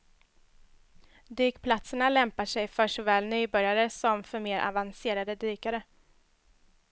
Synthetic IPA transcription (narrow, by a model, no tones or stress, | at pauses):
d̪yːkpʰlat̪səɳalɛmpaʂɛjfœʂɔvɛːlnyːbœɾjaɾəsɔmfœɾmeːɾʔa̰vanseːɾad̪əd̪yːkaɾə